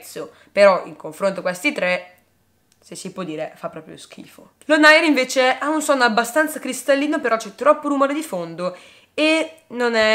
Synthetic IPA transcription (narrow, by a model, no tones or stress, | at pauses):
t̪so | peɾɔḭŋkoɱfɾont̪okwest̪it̪ɾɛ | sesːipwɔd̪ːiːɾefapːɾɔːpɾjo̰sk̟ʰḭːfo | lonajɾiɱveːt͡ʃeaunsɔnːoabːast̪ant̪sakɾist̪alːiːnopeɾɔt͡ʃːɛt̪ːɾɔpːoɾumoːɾed̪ifond̪o | enonɛ